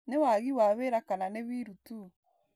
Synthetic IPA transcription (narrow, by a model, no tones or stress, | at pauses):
newaɣiwaβeɾakananeβiɾutu